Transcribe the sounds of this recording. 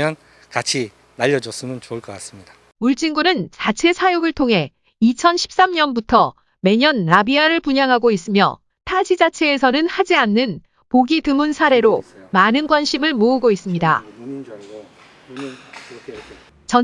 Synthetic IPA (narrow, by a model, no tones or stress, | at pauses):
jʌn | kat͡ɕʰi | naʎːʌd͡ʑʌs͈ɯmɯnt͡ɕouɭk͈ʌk͈as͈ɯmɲidḁ | uɭt͡ɕ͈iŋɡunɯnt͡ɕat͡ɕʰe̞sʰajoɡɯɭtʰoŋɦe̞ | it͡ɕʰʌnɕʰi̥p̚s͈amɲʌnbutʰʌ | me̞ɲʌnːabiaɾɯɭpuɲaŋɦaɡois͈ɯmjʌ̰ | tʰad͡ʑid͡ʑat͡ɕʰe̞ːsʰʌnɯnhad͡ʑianːɯn | poɡitɯmunsʰaɾe̞ɾomanɯnɡwanɕʰimɯɭmoɯɡois͈ɯmɲida̰ | t͡ɕʌ